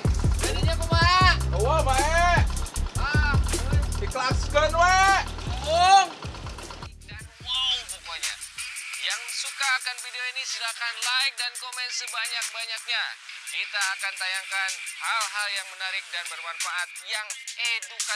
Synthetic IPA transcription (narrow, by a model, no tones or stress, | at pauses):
d͡ʒadiɲakubaɛʔowabaɛ | a | diklakskənwe | oŋ | danwapokoɲa̰ | jaŋsukaːkanfidioinisilakanlaɪŋdankomɛnsəbaɲak̚baɲak̚ɲakit̪aːkant̪ajaŋkanhalɦaljaŋmənaɾɪk̚danbərmarfaʔat̪̚jaŋeduka